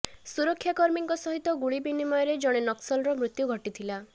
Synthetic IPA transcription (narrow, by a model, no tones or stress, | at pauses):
suɾɔkʰːjakɔɾmiŋkɔsɔɦit̪ɔɡuɭibinimɔjɔɾed͡ʒɔɽ̃enɔksɔlɾɔmɾut̪juɡʱɔʈit̪ʰila